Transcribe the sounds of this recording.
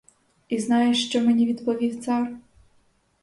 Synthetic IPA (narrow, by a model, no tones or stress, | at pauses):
iznɑjɛʃt͡ʃɔmenʲiʋʲid̪pɔʋʲiwt̪sɑr